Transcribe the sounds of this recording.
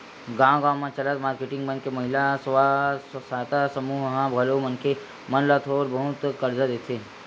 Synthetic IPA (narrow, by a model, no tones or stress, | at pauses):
ɡãːɡãːmãt͡ʃələt̪maːɾkeʈɪ̃ŋɡmə̃nkemɐɦɪlasʋassaːt̪asəmuːɦɦãbʱɐlomənke | mənlat̪ʰoːɾbəɦʊt̪kəɾd͡ʒad̪eːt̪ʰeː